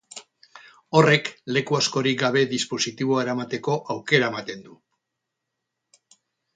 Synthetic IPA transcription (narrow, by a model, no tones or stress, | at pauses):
o̞re̞kle̞kuasko̞ɾik̚ɡaβ̞e̞ðispo̞sit̪iβ̞o̞aeɾamat̪e̞ko̞ʔawke̞ɾaemat̪e̞nd̪u